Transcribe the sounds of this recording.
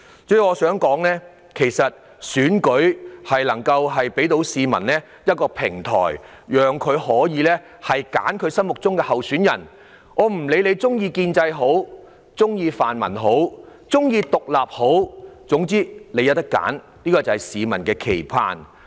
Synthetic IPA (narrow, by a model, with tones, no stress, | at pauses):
t͡sɵ˧jɔː˨˧sœː˨˥ŋkɔː˨˥ŋnɛː˥ | kʰe˨˩jsɐ˨t̚ | syː˨˥nkɵ˨˥ɥhɐ˨jlɐ˨˩ŋkɐ˧wɦɐ˨jpe˨˥jt̪o˨˥wsiː˨˧mɐ̰˨˩nlɛː˥ | jɐ˥t̚kɔː˧pʰɪ˨˩ŋt̪ʰɔ̰ː˨˩j | jœː˨ŋkʰɵ˨˧ɥhɔː˨˥jiː˨˧lɛː˥ | hɐ˨jka̰ː˨˥nkʰɵ˨˧ɥsɐ˥nmʊ˨k̚t͡sʊ˥ŋkɛː˧hɐ˨wsyː˨˥njɐ̰˨˩n | ŋɔː˨˧m̩˨˩le˨˧jle˨˧jt͡sʊ˥ŋjiː˧kiː˧nt͡sɐ˧jɦo˨˥w | t͡sʊ˥ŋjiː˧faː˨nmɐ̰˨˩nɦo˨˥wt͡sʊ˥ŋjiː˧t̪ʊ˨k̚laː˨p̚ho˨˥wt͡sʊ˨˥ŋt͡siː˥le˨˧jɐ˨˥t̪ɐ˥kːa̰ː˨˥n | liː˥kɔː˧t͡sɐ˨whɐ˨˩jsiː˨˧mɐ˨˩nkɛː˧kʰe˨˩jkʰa̰ː˨n